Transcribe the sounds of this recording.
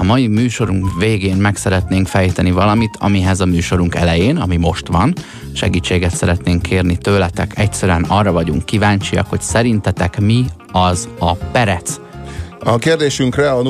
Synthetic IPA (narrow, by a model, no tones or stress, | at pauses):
ɒmɒjimyːʃo̞ɾuŋkveːɡeːnmɛksɛɾɛt̪neːŋkfɛjt̪ɛnivɒlɒmit̪ʰɒ̰miɦɛzɒmyːʃo̞ɾuŋkɛ̰lɛjeːnɒmimo̞ʃt̪ʋɒn | ʃɛ̰ɡiːt͡ʃːeːɡɛt̪sɛɾɛt̪neːŋkʰːeːrnit̪øːlɛt̪ɛkʰɛc̚tsɛɾyɛnɒrːɒvɒɟuŋkːivaːɲt͡ʃiɒ̰kho̞csɛɾint̪ɛt̪ɛkmi | ɒzɒpɛɾɛt̪s | ɒkeːrd̪eːʃyŋkrɛɒn